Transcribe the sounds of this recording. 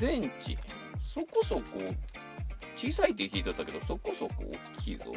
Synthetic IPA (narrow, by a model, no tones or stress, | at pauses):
d̪ẽɲt͡ɕḭ | so̞kosokoː | t͡ɕiːsait̪ːeçʲiːt̪at̪ːake̞d̪oso̞kosoko̰ːkʲʰḭːko̰